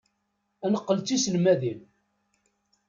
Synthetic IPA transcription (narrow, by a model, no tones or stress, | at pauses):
ænəqːəlt͡sːisəlmæðim